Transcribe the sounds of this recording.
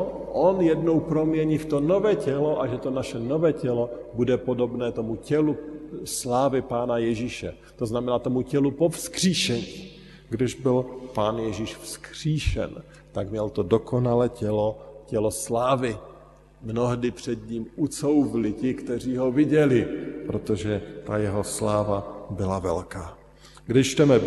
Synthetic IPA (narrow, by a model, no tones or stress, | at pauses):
ʔonjɛdnowpɾo̞mjɛɲiːft̪onovɛːcɛloʔaʒɛt̪onaʃɛnovɛːcɛlobudɛpodo̞bnɛːt̪omucɛluslaːvɪpaːnajɛʒiːʃɛ̰ | t̪o̞znamɛnaːt̪o̞mucɛlupofskr̝̥iːʃɛɲiː | ɡdɪʒbɪlpaːnjɛʒiːʃfskr̝̥iːʃɛ̰n | t̪aɡmɲɛlt̪o̞do̞kʰo̞nalɛːcɛlocɛlo̞slaːvɪ | mno̞ɦdɪpr̝̥ɛd̪ɲiːmut͡sowvɪlɪcɪkt̪ɛr̝iːɦo̞vɪɟɛlɪpɾot̪o̞ʒɛt̪ajɛɦo̞slaːvabɪlavɛ̰lkaː | ɡdɪʃt͡ʃt̪ɛmɛ